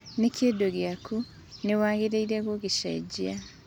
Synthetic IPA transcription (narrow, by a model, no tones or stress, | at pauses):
nekʰedoɡjakʰu | newaːŋɣiɾeiɾeɣoɣiʃa̰ɟia